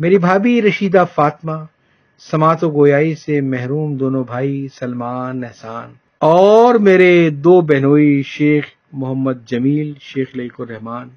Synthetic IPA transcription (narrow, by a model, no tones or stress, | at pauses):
meːɾibʱaːbiɾɐʃiːd̪afaːt̪ma | sɐmaːt̪oɡoːjaːisemɛɦɾuːmd̪oːnobʱaːisɐlmaːnːɛɦsaːn | ɔːɾmeːɾed̪oːbɛɦnoːiʃeːx | mʊɦəmːəd̪̚d͡ʒɐmiːlʃeːxlɐikʊɾɛɦmaːn